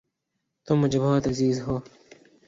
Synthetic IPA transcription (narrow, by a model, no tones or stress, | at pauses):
t̪omːʊd͡ʑeboːt̪ɐziːzɦoː